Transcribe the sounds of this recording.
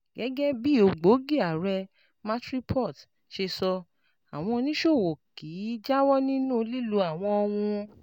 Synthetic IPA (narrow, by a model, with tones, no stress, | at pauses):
ɡ̥ɛ˨˦ɡɛ˦bi˦o˨˧˨ɡ͡bo˨˦ɡi˦˨a˨ɾɛ˧ | mã˦tɾi˦pʰɔ˦˨t | ʃe˧sɔ˧ | a˨w̃ɔ̃˧nĩ˦ʃo˦˨wo˨ki˨˦d͡ʒa˦wɔ˦nĩ˦nũ˦˧li˦lu˨˧˦a˦˨w̃ɔ̃˧ɔ˧w̃ũ˧